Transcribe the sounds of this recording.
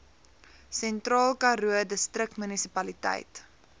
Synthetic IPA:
sɛntrɑːlˠkɐɾuədəstrək̚tmynisipɐlitə̰jt

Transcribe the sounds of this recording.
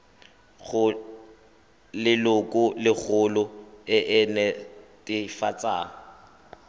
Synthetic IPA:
ɣʊ | lɪlʊkʼʊlɪk͡xʰʊlʊɪʔɛnɛtʼɪfat͡sʼaːŋ̩

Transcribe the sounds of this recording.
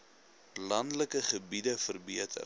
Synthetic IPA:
lɐndləkəχəbidəfərbiətʰə̰r

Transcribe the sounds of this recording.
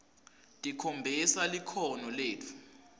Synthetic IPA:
tʼikʰombʱisalikʰɔnɔleːt͡fʰu̥

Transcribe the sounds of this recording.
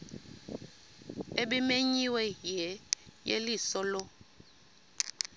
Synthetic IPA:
eɓimeɲiwɛjɛjelisɔlɔ

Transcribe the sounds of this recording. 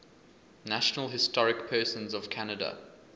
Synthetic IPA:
naʃənəlˠɦɪstɔɹɪkpʰɜːˑsə̃nzəv̥kʰanədə̰

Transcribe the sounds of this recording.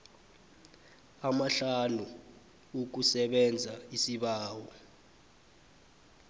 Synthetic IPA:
amaɬanu | uk̬usɛɓɛnd͡zʱaisiɓaːwɔ

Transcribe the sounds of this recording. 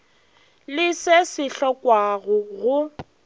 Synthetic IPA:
lɪsesɪɬɔkwaɣʊɣʊ

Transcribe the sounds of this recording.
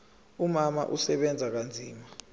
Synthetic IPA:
umama̰ʔusɛɓɛnd͡zʱak̬and͡zʱiːma

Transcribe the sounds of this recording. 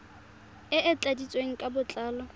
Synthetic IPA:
ɪʔɪt͡ɬʼadit͡sʼweŋ̩kʼabʊt͡ɬʼaːlɔ

